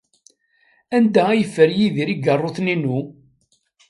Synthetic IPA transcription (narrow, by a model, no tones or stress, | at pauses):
ænd̪ææjəfːəɾjiðiɾiɡərˤːoθninu